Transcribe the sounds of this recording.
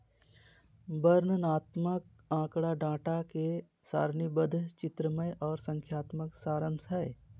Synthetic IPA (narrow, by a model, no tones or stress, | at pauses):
bəɾnənaːt̪mək̚ | ãːkɽaɖãːʈake | sa̰ːɾnibəd̪ʱt͡ʃɪt̪ɾəməjʔɔːɾsə̃ŋkʰjaːt̪məksaːɾənsəe